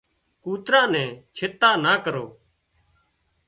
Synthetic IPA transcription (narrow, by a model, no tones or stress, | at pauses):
kuːt̪ɾãːnɛ̃ːt͡ʃʰɪt̪ːaːnaːkəɾoː